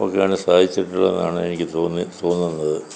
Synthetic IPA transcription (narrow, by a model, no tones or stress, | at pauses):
o̞̰kːejaːɳɨsaːd̪ʱit͡ɕːiʈːuɭːɐ̰nːaːɳɨenikʲːɨt̪oːnːit̪o̞ːnːunːɐðɨ